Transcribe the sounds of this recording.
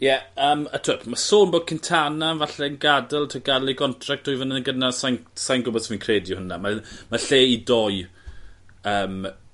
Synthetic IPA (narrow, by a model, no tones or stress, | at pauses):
jɛəːmatʰʊpʰmasoːnboːd̚kʰɪntʰananvaɬɛnɡadɛlˠtʰəɡaliɡɔntʰrak̚td̥ʰuːjvənəənɡənasajnsajnɡʊbɔdsəminkʰreːdjʊhənamamaɬeːidɔj | əːm